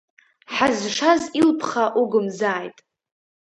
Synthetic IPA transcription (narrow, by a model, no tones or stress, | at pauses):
ħazʂazilpʰχaʔuɡʊmzaːjtʼ